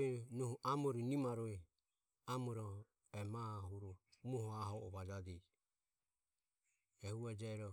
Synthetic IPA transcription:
ɛnuhuʔamɔɾinimaɾɔɛ | amɔɾɔ | ɛmahuɾɔmuhɔaɦɔʔɔβad͡ʒadi | ɛhuad͡ʒaɛɾɔ

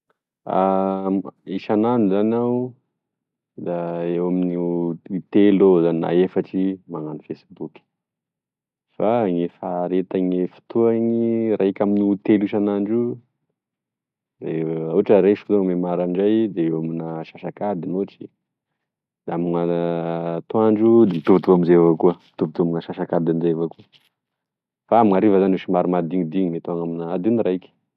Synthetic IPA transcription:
a̰ | iʃananuzanaw | d̪aewaminiut̪elozanina̰efaʈ͡ʂimaŋanifesibukʲi̥ | faŋefaɾet̪aŋefi̥t̪uaɲirʔaekʲaminut̪eliʃanaɳɖ͡ʐu | d̪euaʈ͡ʂəɾeʃfu̥t̪uaŋmemaɾaɳɖ͡ʐajd̪eewaminaʃaʃakad̪inoʈ͡ʂi | d̪̥eamina | t̪oaɳɖ͡ʐud̪et̪uvt̪uaminzevakuət̪uvt̪uaminaʃaʃakad̪amizevakuə | faamiŋaɾivazanuʃimaɾimad̪iŋid̪iŋmet̪oaŋaminaad̪uniraikʲi̥

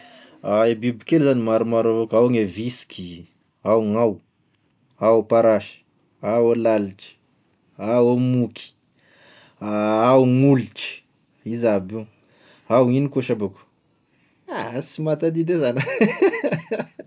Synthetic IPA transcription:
aebibikelzanimaɾumaɾavakawŋeviskʰʲi | awŋaw | awpaɾaʃi̥ | awalaliʈ͡ʂi̥ | awomukʰi̥ | aawŋuliʈ͡ʂi̥ | izabi | awinikoʃabaku̥ | asimat̪ad̪id̪ezan

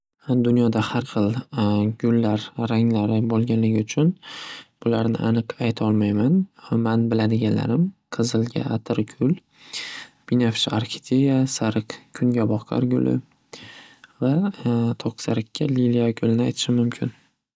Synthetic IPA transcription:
d̪ʊnjɒd̪ahaɾχɨlˠɡʊlːaɾːaŋlaɾɪbolˠɡʲanlɪɡʲɪʊt͡ʃʰʊnb̥ʊlaɾnɪ̰ʔanɨqajt̪ʰɒlˠmajmanmanbɪlad̪ɪɡʲanla̰ɾɪmqʰɨzɨlˠɡʲa̰at̪ʰɪɾɡʲʰʊl | b̥inafʃaɾkʰʲɪ̥t̪ʰʲejasaɾɨqkʲʰʊŋɡʲabɒχqʰa̰ɾɡʲʊ̰lʔɪ̰ | vat̪ʰɒqsaɾɪkʲʰːaliljaɡʊlɪnɪajt̪ʰɪ̥ʃɪmʊmkʲʰɪn

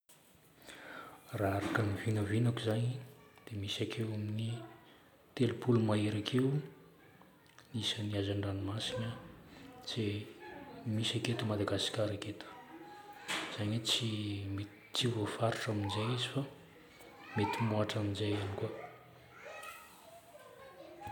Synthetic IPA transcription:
raaɾakanivinəvinakuzaɲid̪̥emisakʰewamini | t̪elupulumaiɾakʰew | nisəniazaɳɖ͡ʐanimasina | z̥e | misaket̪umad̪aɡasi̥kʲaɾaket̪ʰə̥ | z̥aɲet͡sim | t͡sivofaɾiʈ͡ʂaminzajizifa | met̪imoaʈ͡ʂaminzajanikua

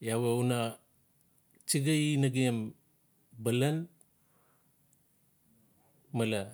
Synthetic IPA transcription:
jaweuna | t͡ʃiɡainaɡiem | balan | mala

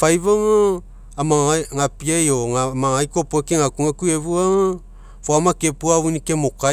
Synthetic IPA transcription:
fajβaŋa | amaŋapiajoŋamaŋajkopoekeŋakuŋakueβuaŋa | foamakepuaβunikemoka

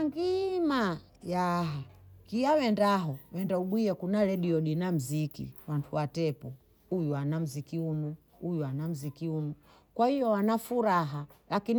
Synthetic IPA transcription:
aŋɡima | jaɦakiawɛndaɦɔwɛndauɓwiɛkunaɾɛɗiɔɗinam̩zikḭwantʰuwatɛpɔ | ujuanam̩zikiunu | ujuanam̩zikiunu | kwahijɔwanafuɾaɦalakin

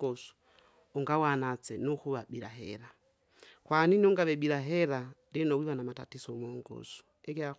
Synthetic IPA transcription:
ɡɔsu̥ | uŋɡawanat͡sɛnuxuβaɓiɾa̰ɦɛ̰ɾa | kwaːninuŋɡaβɛɓiɾaɦɛɾaɾinowiwanamata̰tisɔmɔːŋɡɔ̰su̥ | ɛkia

